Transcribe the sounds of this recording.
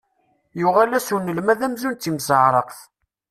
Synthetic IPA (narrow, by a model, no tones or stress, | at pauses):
jʊʁælæsunːəlmæðæmzunt̪ːimsəʕɾˤəqθ